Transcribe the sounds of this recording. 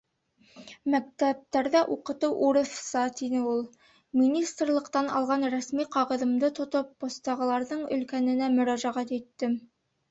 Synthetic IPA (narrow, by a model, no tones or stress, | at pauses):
mæk̚t̪æp̚t̪æɾðæʔuqɤ̆t̪ɤwʔuɾɤ̆θsɑt̪inɘulˠ | mʲinʲist̪rlˠɤ̆qt̪ɑnɑ̰lˠʁɑnɾæsmiqɑʁɤ̆ðɤ̆md̪ɤt̪ŏt̪op̚ːŏst̪ɑʁɤ̆lˠɑɾðɤɴɵ̆lkænɘ̆næmɵ̆ɾæʒæʁæt̪it̪ːɘ